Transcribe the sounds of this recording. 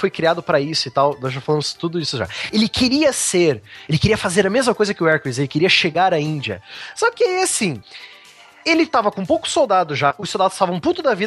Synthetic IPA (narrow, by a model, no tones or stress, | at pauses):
fojkɾiad̪ʊpɾɐisʊɪt̪awnɔzʒafalɐ̃mʊzt̪ud̪ʊisʊʒa̰elɪkʰeɾiɐseɾelɪkeɾiɐfazeɾɐmezmɐkojzɐkɪʊɛɾkizelɪkeɾiɐʃeɡaɾɐĩnd͡ʒiɐ̰sɔkɪasĩ | elɪt̪avɐkõũpowkʊ̥sowd̪ad̪ʊʒaʊsːowd̪ad̪ʊst̪avɐ̃put̪ʊd̪ɐvi